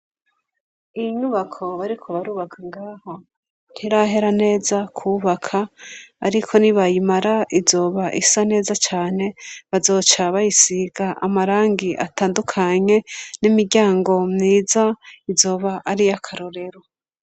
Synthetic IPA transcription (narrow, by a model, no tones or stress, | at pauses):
ijiɲuβakʰo̞βaɾikʰo̞βaɾuːβakʰaŋɡaːha | n̥hiɾaɦe̞ɾane̞ːzakʰuβakʰa̰ːɾikʰo̞niβajimaɾaʔizo̞ːβaʔisane̞ːzat͡ʃaːne̞βazo̞ːt͡ʃaβajisiɡaʔamaɾaːŋɡiʔa̰taːndukʰaɲe̞nimiɾɟaːŋɡo̞mniːzaizo̞ːβaʔaɾijakʰaɾo̞ɾe̞ɾo